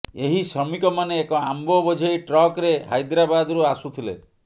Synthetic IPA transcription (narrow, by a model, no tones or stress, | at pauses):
eɦisɔmikɔmaneːkɔambɔbɔd͡ʒʱɔjʈɾɔkɾeɦa̰jd̪ɾabad̪ɔɾuasut̪ʰilḛ